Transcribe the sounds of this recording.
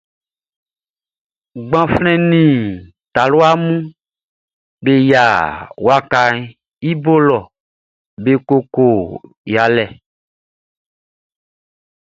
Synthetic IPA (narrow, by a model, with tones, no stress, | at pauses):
ɡ͡bã˨flɛ̃˦nĩ˨ | t̪a˨lo˦a˦mũ˦ | be˦ja˨wa˦ka˨ | i˦bo˦lɔ˨ | be˦ko˦ko˨ | ja˨lɛ˨